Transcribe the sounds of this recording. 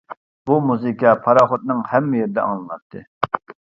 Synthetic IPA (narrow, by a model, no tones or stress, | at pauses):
b̥umuzɨkʲɑpʰɑɾɑːχot̪̚nɨŋhɛmːɪjeɾɪd̪ɛ̰ʔɑ̰ŋˠlˠɑɾt̪ʰːɨ